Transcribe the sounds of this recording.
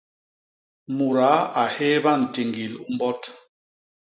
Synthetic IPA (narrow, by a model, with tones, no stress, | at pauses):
mu˨ɾa˨˦a˨hɛ˦ba˦˨n̩˨ti˨ŋɡi˨lu˦m˦bɔ˦t